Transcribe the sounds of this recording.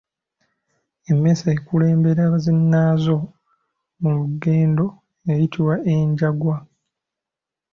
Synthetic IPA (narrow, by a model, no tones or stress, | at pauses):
e̞mːe̞saekule̞ːmbe̞ɾaːβazinːaːzo̞ | muluɡe̞ːndo̞ | ejitʰiwae̞ɲɟaɡwa